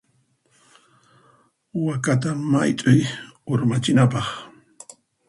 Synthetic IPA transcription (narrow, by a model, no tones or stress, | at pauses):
wakat̪̬amajt̪ʼʊjʊɾmat͡ʃɪnapɑχ